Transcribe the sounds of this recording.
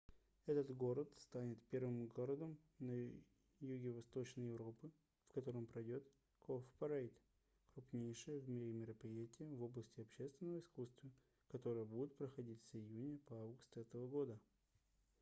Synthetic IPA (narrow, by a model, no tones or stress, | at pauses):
ɛt̪ət̪ɡo̞ɾət̪st̪anʲɪt̪pʲe̞rvɨmɡo̞ɾəd̪əmnɐ | juɡʲɪvɐst̪o̞t͡ɕnəjɪvɾo̞pɨ | fkɐt̪o̞ɾəmpɾɐdʲo̞t̪ | kʰofpɐɾejt̪ | kɾʊpnʲejʂɨjəvmʲɪɾʲɪmʲɪɾəpɾʲɪjætʲɪjəvo̞blˠəsʲtʲɪɐpɕe̞st̪vʲɪnːəvəɪskust̪və | kɐt̪o̞ɾəjəbudʲɪt̪̚pɾəxɐdʲit̪səɪjunʲəpɐavɡʊst̪ɛt̪əvəɡo̞d̪ə